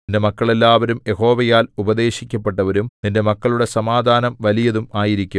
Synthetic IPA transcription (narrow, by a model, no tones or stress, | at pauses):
nde̞mɐkːɐɭe̞lːaːʋɐɾumje̞ho̞ːʋɐjaːlubɐd̪e̞ːɕikʲːɐpːe̞ʈːɐʋɐɾumninde̞mɐkːɐɭuɽe̞sɐmaːd̪ʱaːnɐmʋɐlijɐðumaːjiɾikʲːu